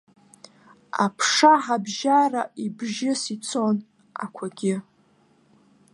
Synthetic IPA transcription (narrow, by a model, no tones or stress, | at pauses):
a̰pʰʂaħabʒaraibʒɪsit͡sʰon | a̰kʷʰaɡʲɪ